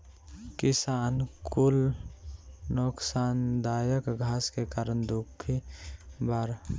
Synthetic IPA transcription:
kɪsaːnkʊl | noksaːnd̪aːjəkɡʱaːskekaːɾənd̪ʊkʰːibaɾ

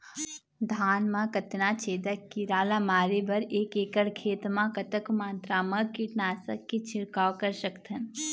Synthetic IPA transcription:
d̪ʱaːnmãkət̪nat͡ʃʰeːd̪əkːiɾaːlamaːɾebɐɾeːkeːkəɽkʰeːt̪mãkət̪əkmãːnt̪ɾamɐ̃kiʈnaːsəkːit͡ʃʰɪɾkaːwkəɾʃəkt̪ʰən

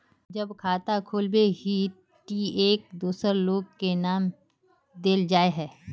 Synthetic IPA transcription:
d͡ʒəbkʰaːt̪akʰoːlbeɦi | ʈiːeːk̚d̪uːsəɾloːɡ̚kenaːm | d̪eːld͡ʒaːeɦɛː

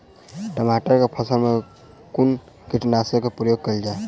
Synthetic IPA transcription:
ʈəmaːʈəɾkepʰɐsəlmẽ | kʊn | kɪʈnaːsjõkapɾəjoːɡ̚kəld͡ʒaːe

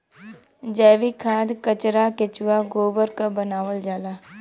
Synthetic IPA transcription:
d͡ʒɛːʋikʰaːd̪kət͡ʃɾakɪt͡ʃʊwaɡoːbəɾkabənaːʋəld͡ʒaːlaː

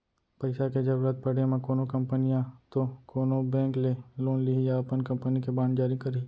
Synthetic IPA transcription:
pɐɪsaked͡ʒɐbɾət̪̚pɐɽemãkoːnokɐ̃mpənijãt̪okoːnobɛ̃ːŋkleloːnliɦijaɐpənkɐ̃mpənikebãːnd͡ʒaːɾikəɾi

